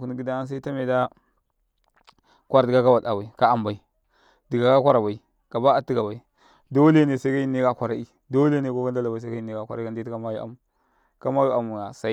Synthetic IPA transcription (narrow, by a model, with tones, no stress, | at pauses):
ku˦n˦ɡi˦da˦a˦ns̬a˦i˦ta˦me˨da˦ | kʷa˦ɾi˨ɡa˦ka˦wa˨da˨wa˨i˨ka˦a˨mba˨i˨ | di˨ɡa˨ka˦kʷa˦ɾa˨ba˨i˨ | ka˨ba˦a˨tːi˦ɡa˨ba˨i˨ | do˦le˦ne˨sa˦ka˦i˦ne˦ka˨kʷa˨ɾa˦i˦ | do˦le˦ne˨ko˦ka˦n˦da˦la˨ba˨i˨sa˦ka˦i˨ne˦ka˨kʷa˨ɾa˦a˦n˦di˦ka˦ma˦ju˦a̰˨mu˨ | ka˦ma˦ju˦a˨mu˨a˨sa˦